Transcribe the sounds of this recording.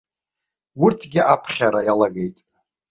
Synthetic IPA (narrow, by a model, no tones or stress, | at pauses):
wʊrtʰɡʲɪʔapʰχʲaɾajalaɡe̞jtʼ